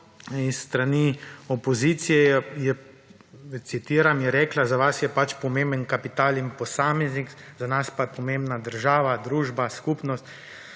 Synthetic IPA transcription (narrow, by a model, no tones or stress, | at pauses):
isːt̪ɾaniɔpɔziːt̪sijɛjɛ | t̪sit̪iːɾamjɛɾɛːklazaʋasjɛpat͡ʃpɔmeːmbənkapit̪aːlimpɔsaːmɛznikzanaspapɔmẽmbnad̪əɾʒaːʋad̪ɾuːʒbaskuːpnɔst̪